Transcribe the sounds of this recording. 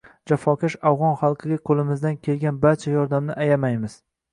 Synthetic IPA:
d͡ʒafɒkʲaʃavʁɒnχɑlˠqʰɨɡʲaqʰolɪmɪzd̪ankʲʰe̞lɡʲanbaɾt͡ʃʰajɒɾd̪amnɪʔajamajmɪz̥

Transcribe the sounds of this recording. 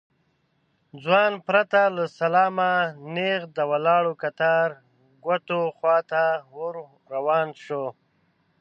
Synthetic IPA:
d͡zwɑːnpɾat̪alasalɑːmaneɣd̪əwalɑːɽokat̪aɾ | ɡwat̪oxwɑːt̪awoɾ | ɾawɑːnʃo

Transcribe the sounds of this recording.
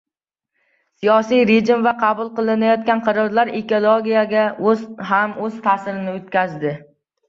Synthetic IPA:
sijɒsijɾed͡ʒɪmvaqʰɑbʊlˠqɨlˠɪnajɒt̪kʲanqʰɨɾɒɾlaɾeko̞lˠoɡʲijaɡʲazɦamɵzt̪ʰasɪɾɪnɪot̪kʲʰazd̪ɪ

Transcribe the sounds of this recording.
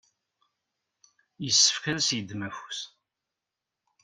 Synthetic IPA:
jəsːə̥fkæsjəd̪mæfu̥s

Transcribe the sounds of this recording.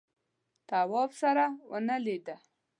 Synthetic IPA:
t̪awɑbsaɾawə̰nəlid̪ə

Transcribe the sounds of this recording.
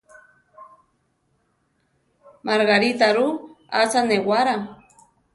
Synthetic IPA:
maɾɣaɾit̪aɾu | asanewaɾa

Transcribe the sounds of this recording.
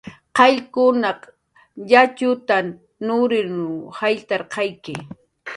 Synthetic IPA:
qɑʎkʊnɑq | jat͡ʃʊt̪an | nʊɾɪnʊhajt̪ɑɾqɑjkɪ

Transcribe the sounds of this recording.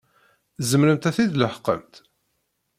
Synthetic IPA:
zəmɾəmt̪æθiðləħqːə̰mt̪

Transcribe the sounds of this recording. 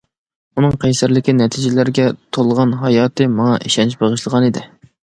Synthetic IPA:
unɨŋqʰɛjsæɾlɪkʲinɛt̪ʰid͡ʒɪlæɾɡʲɛt̪ʰolˠʁɑnɦɑjɑːt̪ʰɨmɑŋɑʔiʃɛnt͡ʃbeʁəʃlˠəʁɑnid̪ɪ

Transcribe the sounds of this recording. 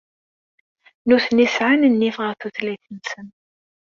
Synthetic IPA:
nuθnisʕanənːifʁəɾθuθliθənsən

